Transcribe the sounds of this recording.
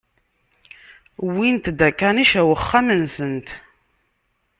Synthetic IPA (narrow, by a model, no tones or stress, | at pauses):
wint̪d̪ækːaniʃæwəχːamənsənt̪